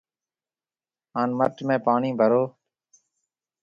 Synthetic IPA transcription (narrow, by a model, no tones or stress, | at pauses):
ɦaːnməʈmẽːpaːɳĩːbʱəɾoː